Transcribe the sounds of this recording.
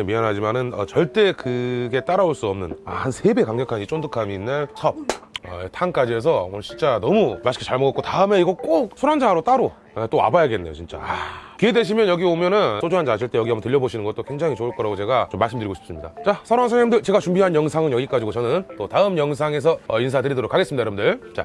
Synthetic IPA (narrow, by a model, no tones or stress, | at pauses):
emianɦad͡ʑimanɯnʌ̰t͡ɕʌɭt͈e̞kɯɡe̞t͈aɾaoɭs͈uʌmnɯna̰hansʰe̞be̞kaŋɲʌkʰanit͡ɕ͈ondɯkʰamiːnːɯnsʰʌp̚ʌ̰etʰaŋk͈ad͡ʑies̬ʰʌwʌt͡ɕint͡ɕ͈anʌmumaɕʰi̥kʰet͡ɕaɭmoɡʌk͈otaɯme̞iɡʌk͈ok̚sʰoɾand͡ʑaɾot͈aɾo | et͈oa̰bajaɡe̞nːe̞jo̰t͡ɕint͡ɕ͈a̰akie̞de̞ɕʰimjʌnjʌɡiomjʌnɯns͈od͡ʑuɦand͡ʑiaɕʰiɭt͈e̞jʌɡiamotɯʎːjʌboɕʰinɯnŋɡʌt͈okwe̞ŋd͡ʑaŋit͡ɕouɭk͈ʌɾaɡot͡ɕe̞ɡat͡ɕomːaɭs͈ɯmdɯɾiɡoɕʰi̥ps͈ɯmɲida̰t͡ɕasʰʌɾansʰaɲamndɯɭt͡ɕe̞ɡat͡ɕumbiɦanjʌŋsʰaŋɯnjʌɡik͈ad͡ʑiɡot͡ɕʌnɯnt͈otaɯmjʌŋs̬ʰaŋe̞s̬ʰʌʌins̬ʰatɯɾidʌɾokʰaɡes͈ɯmidaɾɯmndɯɭt͡ɕa̰